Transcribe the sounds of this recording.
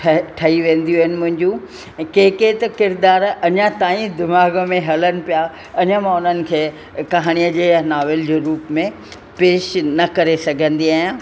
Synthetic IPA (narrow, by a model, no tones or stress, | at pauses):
ʈʰɐiʋẽːn̆d̪iuɦnɪ̆mʊ̃ɦɪ̃ɲd͡ʑũ | keːket̪ɐkɪɾd̪aːɾɐɲãt̪aːĩd̪ɪmaːɡmẽɦɐlənɪ̆pija | ɐɲəmãʊn̤ənɪ̆kʰeː | kɐɦaːɽ̃ijəd͡ʑeːnaːʋɪld͡ʑeːɾuːpmẽ | peːʃnɐkɐɾesɐɡʱə̃nd̪iaːjã